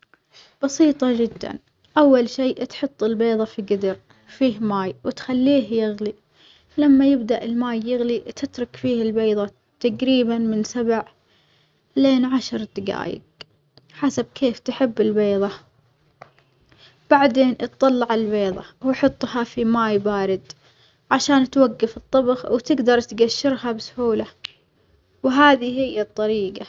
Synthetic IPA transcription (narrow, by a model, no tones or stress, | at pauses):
b̥ɑsiːt̪ˤɑd͡ʒɪd̪ːa̰n | ʔawːalʃiːt̪ħʊt̪ˤːɪlbeːðˤɑfiɡɪd̪ɪɾ | fiːhmaːjwɪt̪xalːiːhjɪɣli | lamːajɪbd̪aʔɪlmaːjːɪɣlit̪ʰɪt̪ɾˤʊkfiːhɪlbeːðˤɑ | t̪aɡɾiːbanmɪnsabʕ | leːnʕaʃɾˤd̪ɪɡa̰ːjɪ̰k | ħasab̚kʰeːft̪ħɪbːɪlbeːðˤɑ | b̥aʕd̪eːnʔt̪ˤːɑlːɑʕɪlbeːðˤɑ̰wħʊt̪ˤːhafimaːjbaːɾɪd̪ | ʕaʃaːnt̪waɡːafɨt̪ˤːɑbxwt̪ɪɡd̪ɑɾˤt̪ɡaʃːɪɾhabsʊ̥huːla | wɦaːðihɪjːat̪ˤːɑɾiːɡa